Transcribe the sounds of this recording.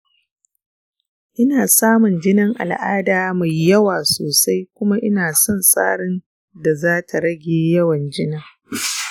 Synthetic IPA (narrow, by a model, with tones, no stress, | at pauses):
ʔɪ˦naː˨saː˦mʊ˨nd͡ʒɪ˦nɐ˦ŋʔa̰˨lʔaː˦daː˨ma˨jːɐ˦waː˨soː˨sa˦jkʷʊ˦ma˦ʔɪ˦naː˨sɔ˦nsʼa̰ː˦ɽɪ˦n | da˨zaː˦tʰa˨ɽɐ˦ɡʲeː˨jɐ˦wɐ˨nd͡ʒɪ˦nɐ˨